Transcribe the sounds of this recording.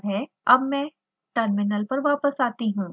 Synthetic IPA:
bɦɛː | ɐbmɛ̃ː | ʈəɾmɪnəlpɐɾʋaːpəsaːt̪iɦũː

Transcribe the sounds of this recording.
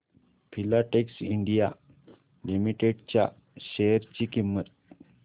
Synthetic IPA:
pʰilaʈeksiɳɖija | limiʈeɖt͡ɕja̰ | ɕejəɾt͡ɕikimːət̪̚

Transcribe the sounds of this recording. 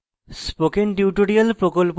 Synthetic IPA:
spokenʈiuʈoɾialpɾokolp

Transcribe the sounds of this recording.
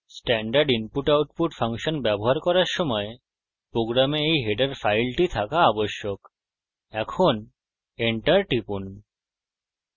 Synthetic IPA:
sʈɛɳɖaɾɖimpuʈawʈ̚puʈfaŋʃonbɛboɦaɾkɔɾaɾʃɔmɔe | pɾoɡɾameejɦeʈaɾfajlʈit̪ʰakaaboʃːok | ɛkʰon | eɳʈaɾʈipun

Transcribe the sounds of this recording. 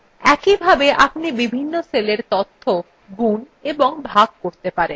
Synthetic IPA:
ɛkibʱabeʔapnibibʱinːoseleɾt̪ot̪ʰːo | ɡun | eboŋbʱaɡ̚koɾt̪epaɾen

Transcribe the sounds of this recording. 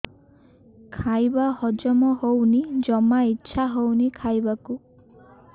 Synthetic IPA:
kʰajbahɔd͡ʒɔmɔɦownid͡ʒɔmaitːʃʰaɦownikʰajbaku

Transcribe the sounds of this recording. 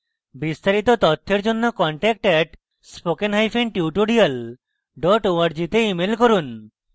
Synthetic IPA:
bist̪aɾit̪ot̪ot̪ʰːeɾd͡ʑonːokɔɳʈɛk̚ʈɛʈ | spokenɦajpʰinʈiuʈoɽial | ɖɔʈoaɾd͡ʑit̪eimelkoɾun

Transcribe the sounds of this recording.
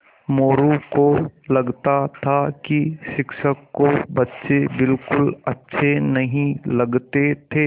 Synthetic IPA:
moːɾukolɐɡt̪at̪ʰakiʃɪkʃəkːobɐtːʃebɪlkʊlɐtːʃʰenɐɦĩlɐɡt̪et̪ʰeː

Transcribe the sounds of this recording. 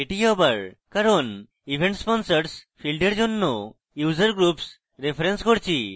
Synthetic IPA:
eʈiɔbaɾ | kaɾɔn | ibʱeɳʈspɔnsəɾspʰilɖeɾd͡ʒonːo | juzəɾɡɾups | ɾepʰɾenskoɾt͡ʃʰi

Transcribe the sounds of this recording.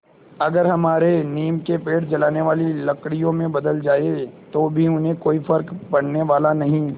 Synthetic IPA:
ɐɡəɾɦɐmaːɾeniːmkepeːʈd͡ʒɐlaːneʋaːlilɐkɽijõmẽbɐd̪əld͡ʒaːet̪oːbʱiʊnɦẽkoːifɐɾkpɐɽ̤neʋaːlanɐɦĩ

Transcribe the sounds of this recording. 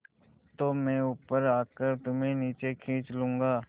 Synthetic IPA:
t̪oːmɛ̃ːʊpəɾaːkəɾt̪ʊmẽniːt͡ʃekʰĩːt͡ʃlũːŋɡaː

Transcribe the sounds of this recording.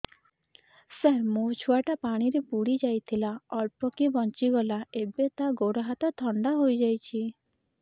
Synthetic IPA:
seɦmũt͡ʃʰuaʈapaɽ̃iɾepuɽid͡ʒajt̪ʰilaɔɭpɔkibɔnt͡ʃiɡɔlaebet̪aɡoɽɔɦat̪ɔt̪ʰɔɳɖaɦojd͡ʒajt͡ʃʰi

